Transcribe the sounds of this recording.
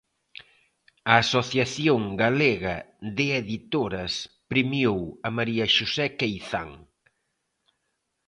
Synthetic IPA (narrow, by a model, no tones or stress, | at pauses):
ɐːsoθjaθjoŋɡaleɣɐðɪeðit̪oɾɐs | pɾimjowɐmaɾiɐʃusɛkejθa̰ŋ